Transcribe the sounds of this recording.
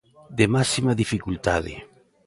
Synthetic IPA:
d̪emasimaðifikult̪aðḛ

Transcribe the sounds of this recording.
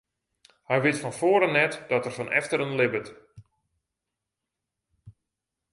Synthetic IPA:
hɛjʋɪtfɔnfoːəɾənɛtdɔtərfɔnʔɛ̰ftəɾənlɪbət

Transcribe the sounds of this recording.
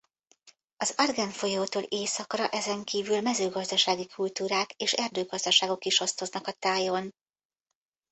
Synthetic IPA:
ɒzɒrɡɛnfo̞joːt̪oːleːsɒkrɒʔɛzɛŋkiːvylmɛzøːɡɒzd̪ɒʃaːɡikʰult̪uːɾaːkeːʃɛrd̪øːɡɒzd̪ɒʃaːɡo̞kiʃo̞st̪o̞znɒkɒt̪aːjon

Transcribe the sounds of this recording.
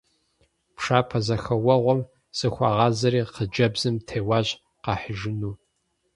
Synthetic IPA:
pʂaːpʰɐzɐxɐwɐʁʷɔm | sɨxʷɑːʁɑːzɐɾiːqəd͡ʒɐbzɨmtʰeːwɑːʑ | qɑːħəʒɪnuː

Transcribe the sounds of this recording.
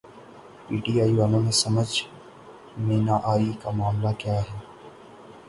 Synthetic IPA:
piːʈiːaːiʋaːlõmẽsɐməd͡ʒ | mẽːnaʔaːikamaːmlakjaːɦɛː

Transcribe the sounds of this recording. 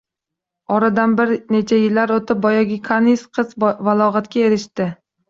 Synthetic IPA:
ɒɾad̪anbɪɾne̞t͡ʃʰajɪlːaɾot̪ɪp̚bɒjaɡʲɪkʰanisqʰɨzvalˠɒʁat̪kʲae̞ɾɪʃt̪ɪ

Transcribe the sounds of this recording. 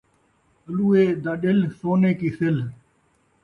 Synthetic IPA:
əluːeːd̪aːɗɪlsoːneːkiːsɪl

